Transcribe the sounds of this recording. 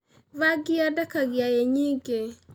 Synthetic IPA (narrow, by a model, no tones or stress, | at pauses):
waɡɪadakaɡɪajeɲiɡe